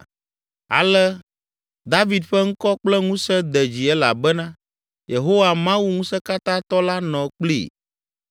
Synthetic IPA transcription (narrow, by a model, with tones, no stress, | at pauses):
a̰˨lɛ˦ | d̪a˦vi˨d̪ɸɛ˦ŋ̩˦kɔ˦k͡plɛ˦ŋũ˦sɛ˦d̪ɛ˨d͡ʑi˨ɛ˦la̰˨bɛ˦nã˦ | je˨ɦo˦wa˨mã˦wu˦ŋũ˦sɛ˦ka˦t̪ã˦t̪ɔ˦la˦nɔ̃˨k͡plḭ˨